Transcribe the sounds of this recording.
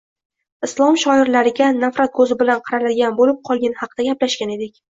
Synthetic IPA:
ɪslˠɒmʃɒɪɾlaɾɪɡʲanafɾat̪̚kʰɵzɪbɪlanqʰɨɾalad̪ɪɡʲanbolɪp̚qʰɒlˠɡʲanhɑqd̪aɡʲaplaʃɡʲane̞d̪ɪkʲ

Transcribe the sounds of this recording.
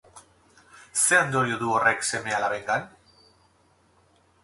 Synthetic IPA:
se̞and̪o̞ɾioðuo̞re̞kse̞me̞alaβejt̪an

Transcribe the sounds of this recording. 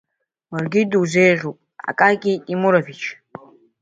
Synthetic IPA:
warɡʲidwzejʁʲʷopʼa̰kʼaɡʲitʼimuɾavit͡ʃʰ

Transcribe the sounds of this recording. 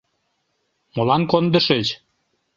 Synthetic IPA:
molɑnkond̪ə̆ʃet͡ɕ

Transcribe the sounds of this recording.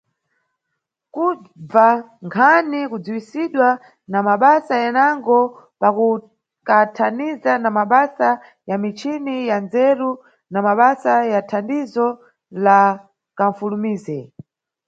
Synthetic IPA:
ku | b͡va | ŋkʰanikud͡zuwisiɗwa | namaɓasajanaŋɡɔ | paku | katʰanizanamaɓasa | jamit͡ʃʰinijanzɛɾu | namaɓasajatʰandizɔ | la | kaɱ̩fulumiːzɛ

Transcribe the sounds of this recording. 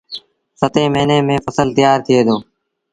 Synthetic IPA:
sət̪ẽːmeːnẽːmẽːfəsəlt̪ɪjaːɾt̪ʰɪeːd̪oː

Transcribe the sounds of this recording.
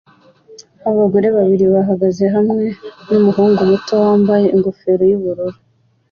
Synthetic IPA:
aβaɡo̞ɾe̞βaβiɾiβaɦaɡazeɦamŋe̞numuɦuːŋɡumuto̞waːmbaje̞ʔiŋɡofe̞ɾo̞juβuɾuɾu

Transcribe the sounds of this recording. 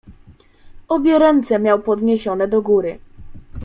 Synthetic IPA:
ɔbʲjɔɾɔnt̪sɛmʲjawpɔd̪ɲeɕɔnɛd̪ɔɡuɾɘ

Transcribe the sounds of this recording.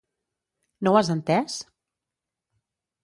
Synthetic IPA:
nowazənt̪ɛs

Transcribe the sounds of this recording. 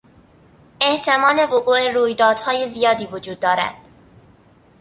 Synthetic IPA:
e̞ht̪ʰe̞mɒːle̞voɣuːʔe̞ɾuːjd̪ɒːd̪̥hɒːje̞zijɒːd̪iːvod͡ʒuːd̪̚ːɒːɾæ̰d̪̥

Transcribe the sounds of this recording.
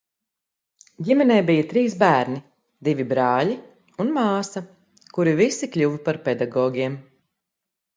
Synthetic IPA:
ɟʲimɛnɛːbijɐt̪ɾiːsbæːɾni | d̪ivʲibɾaːli | unmaːsɐ | kuɾivisiklʲuvpaɾpɛd̪aɡɔːɡʲiɛm

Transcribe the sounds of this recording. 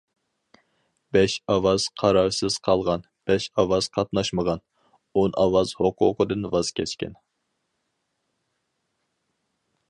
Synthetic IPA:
b̥ɛʃɑwɑz̥qʰɑɾɑɾsɨz̥qʰɑlˠʁɑn | b̥ɛʃɑwɑz̥qʰɑt̪nɑʃməʁɑn | onʔɑ̰wɑz̥hoqʰʊ̰qʰəd̪ɨnwɑz̥kʲʰɛt͡ʃkʲɛ̰n

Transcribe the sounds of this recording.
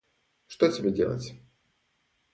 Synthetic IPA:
ʂt̪otʲɪbʲedʲelˠə̰tʲ

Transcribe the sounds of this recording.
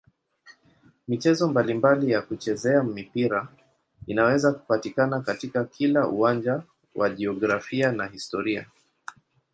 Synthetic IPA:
mit͡ʃɛzɔmbalimbalijakut͡ʃɛzɛamipiɾa | inawɛzaku̥patikanakatikakʰilaʔuwand͡ʒa | wʔa̰ʄiɔɡɾafianaɦistɔɾia̰

